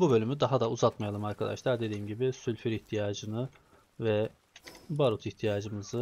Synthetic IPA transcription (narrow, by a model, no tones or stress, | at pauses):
bubø̞lʲymyd̪aɦad̪auzat̪majalˠɯmaɾkʰad̪a̰ʃlˠaɾd̪e̞d̪iːmɟibisylʲfyɾiçt̪ʰijaːd͡ʒɯnɯ | vɛ | baɾut̪ʰiçt̪ʰijaːd͡ʒɯmɯzɯ